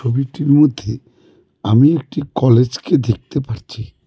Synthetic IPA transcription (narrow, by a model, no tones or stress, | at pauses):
t͡ʃʰobiʈiɾmod̪ʱːe | amiek̚ʈikɔled͡ʑked̪ek̚t̪epaɾt͡ɕʰi